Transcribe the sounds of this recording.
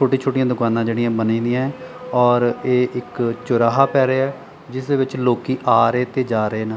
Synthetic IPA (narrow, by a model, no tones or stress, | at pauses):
oːʈiːt͡ʃʰoːʈɪjãːd̪ʊkaːnãːd͡ʒeːɽɪjãːbənĩːd̪ɪjãːɛː | ɔːɾeːʔɪkt͡ʃʊɾaːɦaːpɛːɾeːɛː | d͡ʒɪsd̪eːʋɪt͡ʃloːkiːʔaːɾeːt̪eːd͡ʒaːɾəeːnãː